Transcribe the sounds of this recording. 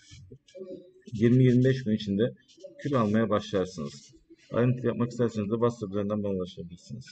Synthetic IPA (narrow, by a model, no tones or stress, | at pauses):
jiɾmijiɾmibɛʃɡynit͡ʃʰind̪ɛ | cʰylʲalˠmajabaʃlˠajaɾsɯnɯz̥ | a̰jɯnɯkʰlˠjapmakist̪ʰæɾsenizd̪ɛbast̪ʰaplʲˠaɾind̪ænbanlˠaʃabilʲiɾsiniz̥